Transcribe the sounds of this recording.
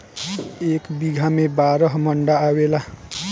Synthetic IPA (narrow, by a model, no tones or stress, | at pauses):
ekbiɡʱamebaɾəɦməɳɖaːwela